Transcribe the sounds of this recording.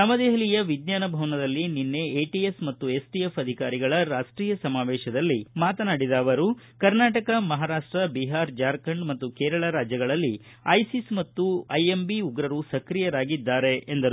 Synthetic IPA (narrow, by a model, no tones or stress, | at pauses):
nɐmɐd̪eɦɐlijɐʋid̪njaːnɐbʱɐʋɐnɐd̪ɐlːininːe̞eːʈiesmɐt̪ːue̞sʈijefɐd̪ʱikaːɾiɡɐɭɐɾaːʂʈɾiːjɐsɐmaːʋɛːʃɐd̪ɐlːimaːt̪ɐnaːɽid̪aːʋɐɾu | kɐɾnaːʈɐkɐmɐɦaːɾaːʂʈɾɐbiɦaːɾd͡ʒaːɾkɐɳɖmɐt̪ːukɛːɾɐɭɐɾaːd͡ʒjɐɡɐɭɐlːi | ɐjsismɐt̪ːuɐjembiuɡɾɐɾusɐkɾijɐɾaːɡid̪ːaːɾe̞end̪ɐɾu